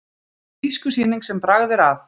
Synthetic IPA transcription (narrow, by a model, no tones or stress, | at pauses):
iskʏsiːniŋksɛmpɾaɣðɪɾav